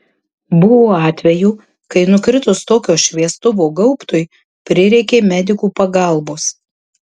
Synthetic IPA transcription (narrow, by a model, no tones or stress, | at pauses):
bʊʋoːɑːt̪ʲʋʲɛjuː | kɐɪnʊkɾʲɪt̪ʊst̪oːkʲoːʃʲʋʲiɛst̪ʊʋoːɡɐʊpt̪ʊj | pʲɾʲɪɾʲɛɪkʲeːmʲɛd̪ʲɪkuːpɐɡɐˑlˠboːs